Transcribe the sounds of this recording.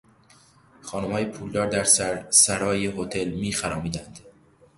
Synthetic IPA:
xɒːnomhɒːjepʰuːld̪ɒːɾd̪æɾssæɾɒːjeɦot̪ʰe̞lmiːxæɾɒːmiːd̪ænd̪̥

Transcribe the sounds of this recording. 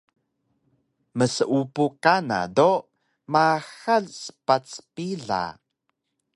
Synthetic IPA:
məsəʔupukana̰do | maxalsə̥pat͡spiɮa̰

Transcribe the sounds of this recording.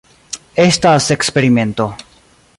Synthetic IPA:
estasekspeɾime̞nt̪o̞

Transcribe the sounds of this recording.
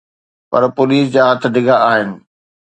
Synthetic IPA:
pɐɾpoːliːs̬d͡ʑaːɦɐt̪ʰɪ̆ɖɪɡaaːɦɪnɪ̆

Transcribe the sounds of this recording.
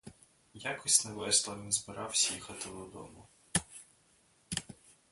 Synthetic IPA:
jakɔsʲnɛʋɛslˠɐʋʲinzbɪɾɑwsʲɐjixɐt̪ɪwd̪ɔd̪ɔ̰mʊ

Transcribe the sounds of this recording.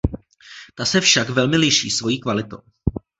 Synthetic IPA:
t̪asɛfʃakvɛlmɪlɪʃḭːsvo̞jiːkvalɪt̪o̰w

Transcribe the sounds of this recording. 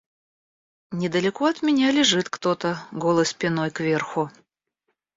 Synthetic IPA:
nʲɪd̪əlʲɪkoɐt̪mʲɪnʲalʲɪʐɨt̪kt̪ot̪əɡolˠəspʲɪnojkvʲe̞rxʊ

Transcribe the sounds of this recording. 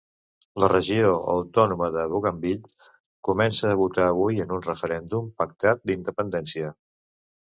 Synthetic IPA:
lərəʒioə̰wt̪ɔnuməðəβuɣəmbiʎ | kumɛnsəːβut̪aːβujənunrəfəɾɛnd̪umpək̚t̪at̪̚d̪ind̪əpənd̪ɛnsiə

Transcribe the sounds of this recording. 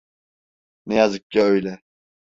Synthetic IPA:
nɛjazɯk̚caøjlʲɛ

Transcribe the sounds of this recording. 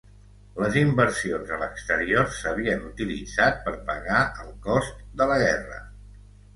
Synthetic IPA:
ləzimbəɾsionzələkst̪əɾioɾsəβ̞iənut̪ilḭd͡zat̪̚pəɾpəɣaəlˠkɔst̪̚d̪ələɣɛrə̰

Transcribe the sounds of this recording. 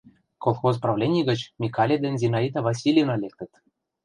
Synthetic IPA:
kolˠxozprɑvlʲenʲiɡə̆t͡ɕmʲikɑlʲed̪ɘ̆nʲzʲinɑit̪ɑvɑs̬ʲilʲjnɑlʲek̚t̪ə̆t̪

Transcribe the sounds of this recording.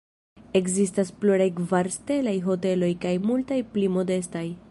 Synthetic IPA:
e̞kzistaspluɾajkvaɾste̞lajɦo̞te̞lo̞jkajmultajplimo̞de̞s̬taj

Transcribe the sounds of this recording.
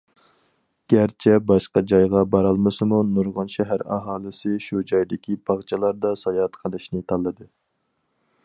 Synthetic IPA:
ɡ̥ʲæɾt͡ʃʰɛbɑʃqɑd͡ʒɑjʁɑbɑɾɑlˠmɨsɨmunuɾʁʊnʃɛɦæɾɑ̰ɦɑːlˠɨsɨʃud͡ʒɑjd̪ɪkʲibɑʁt͡ʃʰɑlˠɑɾd̪ɑsɑjɑt̪qʰəlˠɨʃnɨt̪ʰɑlˠːɨd̪ɨ

